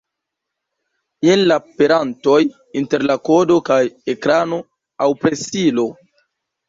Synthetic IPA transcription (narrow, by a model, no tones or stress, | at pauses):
jenlape̞ɾanto̞j | inte̞ɾlako̞do̞kajekɾano̞ | awpɾesilo̞